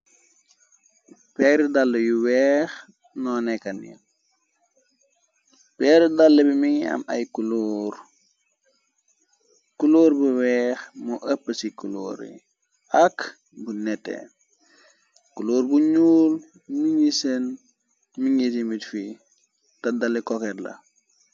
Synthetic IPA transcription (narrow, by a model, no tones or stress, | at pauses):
pɛːɾidalːɐjuwɛːx | nɔːnɛkːɐnḭ | pɛːɾidalːəbimiŋiɐ̰mɐ̰jkuloːɾ | kuloːɾbuwɛxmɔʔəpːəsikulo̰ːɾḭ | ʔɐk | bunɛtːɛ̰ | kuloːɾbuɲuːl | miŋisen | miŋis̬imbitfi | tɐdɐlːikɔkɛɾlɐ̰